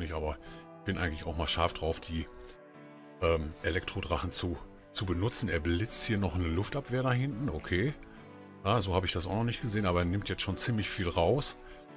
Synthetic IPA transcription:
nɪçʔaːbɐ | çb̥ɪnʔaɪɡŋ̩tlɪçaʊxmaːlʃaɐfd̥ʁaʊfd̥iː | ʔɛːmʔelɛktʁ̥odʁaχn̩t͡su | t͡subənʊt͡sn̩eːɐblɪt͡sthiːɐnɔχnəlʊftʔapv̥eːɐɾaɦɪntn̩ʔokʰeː | jaːzoːhaːbəɪçd̥asʔaʊxnɔχnɪçtɡ̥əzeːənaːbɐeːɐnɪmtjɛt͡stʃoːnt͡siːmlɪçfiːlʁaʊs

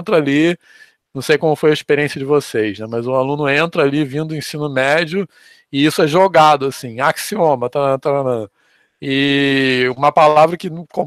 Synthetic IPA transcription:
t̪ɾɐali | nɐ̃w̃sejkõmʊfojɐiʃpeɾiẽsjɐd͡ʒɪvosejznɛmɐzʊalũnʊẽnt̪ɾɐalivĩnd̪ʊẽsĩnʊmɛd͡ʒjʊ | ɪisʊɛʒoɡad̪ʊasĩaksiõmɐt̪aɐ̃t̪aɾɐnɐ̃ | ɪ | ũmɐpalavɾɐkɪñkõ

